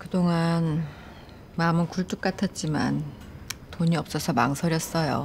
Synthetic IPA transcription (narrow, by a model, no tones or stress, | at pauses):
kɯdoŋan | mamɯnkuɭt͈uk̚k͈atʰʌt̚t͡ɕ͈ima̰n | toɲiʌp̚s͈ʌsʰʌma̰ŋsʰʌɾjʌs͈ʌjo̰